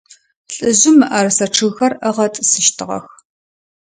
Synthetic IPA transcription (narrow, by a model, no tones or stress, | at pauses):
ɬʼɨʑɪmɨʔɐrɨsɐʈ͡ʂʰɨɣxɐrʔɐʁɐtʼsɨʃtʰɨʁɐ̰x